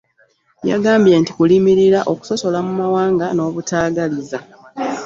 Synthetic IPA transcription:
ja̰ɡaːmbje̞nti̥kulimiɾiɾaʔo̞ku̥so̞so̞lamumawaːŋɡano̞ːβutaːɡaliza

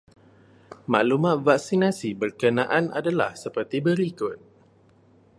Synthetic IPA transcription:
maʔlumat̪̚vak̚sinasibərkənãʔana̰dala̰hsəpərt̪ibəɾikʊt̪̚

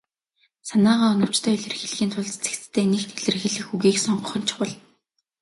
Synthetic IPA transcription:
sanaːʁaːɔnɞ̆w̥t͡ɕt̪ʰœːiɮɘ̆rxĭɮɣiːnt̪ʰʊɮt͡st͡se̥kt͡st̪ʰːeːnext̪ʰeɮɘ̆rxĭɮɘ̆xxuɣiːksɔɴɢɞ̆χɞ̆nt͡ɕʰɪ̥̆wʊ̆ɮ

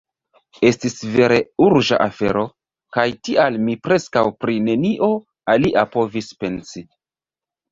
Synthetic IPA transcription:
e̞stisve̞ɾe̞uɾʒa̰ʔafe̞ɾo̞ | kajtiʔalmipɾe̞skawpɾine̞niʔo̞ | aliʔapo̞vispe̞nsi

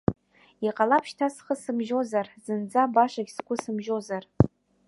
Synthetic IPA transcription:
iqʼalapʰʃtʰasχəsɨmʒo̞zarz̥ɨnd͡zabaʂaɡʲsɡʷʼʊsɨmʒo̞zar

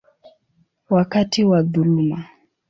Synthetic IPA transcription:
wakatiwaðuluma

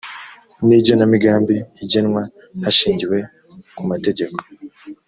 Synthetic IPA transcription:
nibɟo̞namiɡaːmbiːɟenŋwa | haʃiːɲɟiwe̞ | kumate̞ɟe̞ko̞̥

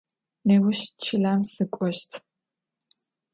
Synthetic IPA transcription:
neːwʊɕt͡ʃʰɪɮaːmsɨkʷʼɔʃtʰ

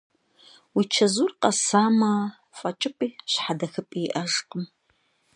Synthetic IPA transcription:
wit͡ʃʰɐzuːrqɐsaːma | fʼɐt͡ʃʼɪpʼiːɕħadɐxɨpʼiʔɐʒqʼəm

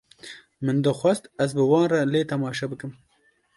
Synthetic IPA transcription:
mɨnd̪ɨxʷɐst̪ɐzbɨwɑːnraleːt̪ɐmɑːʃɐbɨkɨm

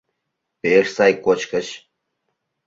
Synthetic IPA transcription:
peʃsɑjkot͡ɕkə̆t͡ɕ

